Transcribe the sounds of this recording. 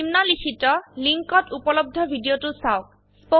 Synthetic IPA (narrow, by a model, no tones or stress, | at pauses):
imnalikʰitɔliŋkɔtupɔlɔb̚d̪ʱɔbʱidiotusaok̚ | po